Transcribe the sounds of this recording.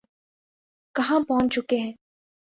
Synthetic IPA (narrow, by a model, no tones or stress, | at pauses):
kɐɦãpɔɦʊ̃nt͡ʃʊkeɦɛ̃ː